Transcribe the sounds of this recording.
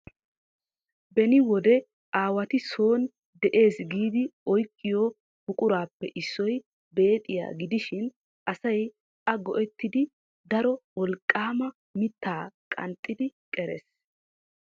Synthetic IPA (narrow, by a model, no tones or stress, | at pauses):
bɛnɪwɔd̪ɛ | ʔaːwɐt̪ɪso̞ːn | d̪ɛʔe̞ːsɡiːd̪ɪɔjkʼːɪjo | bʊkʼʊɾaːpːɛʔɪsːɔj | be̞ːt̪ʼːɪja̰ːɡɪd̪ɪʃɪn | ʔɐsɐj | ɐɡɔʔɛt̪ːɪd̪ɪ | d̪ɐɾɔwɔlkʼːaːmɐ | mɪt̪ːaːkʼɐ̰nt̪ʼːɪd̪ɪkʼɛɾɛ̰s